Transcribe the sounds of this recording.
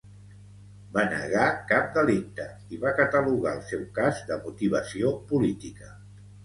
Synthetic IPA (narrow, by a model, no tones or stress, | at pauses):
banə̰ɣakap̚d̪əlik̚t̪ə | iβakət̪əluɣaəlˠsɛwkazd̪əmut̪iβ̞əsiopulit̪ikə